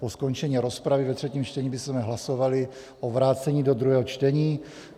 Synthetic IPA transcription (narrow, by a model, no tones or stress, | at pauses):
posko̞nt͡ʃɛɲiːɾo̞spɾavɪvɛt̪r̝̥ɛciːmt͡ʃt̪ɛɲibɪsmɛɦlaso̞valɪ | ʔovɾaːt͡sɛɲiːdod̪ɾuɦɛːɦot͡ʃt̪ɛɲiː